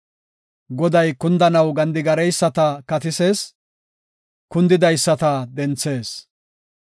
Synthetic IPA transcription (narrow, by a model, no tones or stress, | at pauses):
ɡɔd̪ɐjkʊnd̪ɐnɐwɡɐnd̪ɪɡɐɾɛjsːɐt̪ɐkɐt̪ɪseːs | kʊnd̪ɪd̪ɐjsːɐt̪ɐd̪ɛnt͡sːe̞ːs